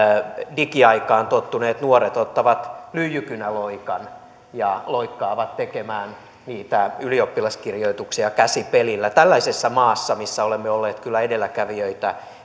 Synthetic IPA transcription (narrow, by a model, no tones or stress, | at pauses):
dikiɑikɑːnt̪ot̪ːuneːt̪nuoret̪ot̪ːɑʋɑt̪lyːjykynæloikɑn | jɑloikːɑːʋɑt̪t̪ekemæːn | niːt̪æyliopːilɑskirjoit̪uksiɑkæsipelilːæt̪ælːæisesːæmɑːsːɑmisːæolemːeolːeːt̪kylːæedelːækæʋiøit̪æ